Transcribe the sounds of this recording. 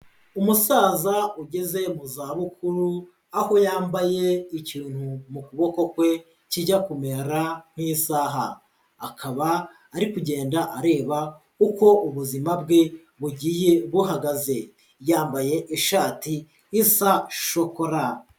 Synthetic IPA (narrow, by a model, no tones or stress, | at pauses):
umusaːzauɟe̞ze̞muzaːβukʰuɾu | aho̞jaːmbaje̞iciːn̥humukuβo̞ko̞kwe̞ | ciɟakume̞ɾam̥hisaːɦaː | kʰaβaː | ɾikuɟe̞ːndaʔaɾe̞ːβa | uko̞ʔuβuzimabɡe̞ | βuɟiːje̞βuɦaɡaze̞ | jaːmbaje̞ʔiʃaːtiː | saʃo̞koɾa